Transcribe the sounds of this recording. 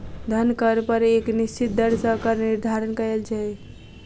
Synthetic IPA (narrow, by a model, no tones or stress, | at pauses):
d̪ʱənkəɾpəɾeknist͡ʃit̪̚d̪əɾsəkəɾniɾd̪ʱaɾənkəɾelt͡ʃʰaj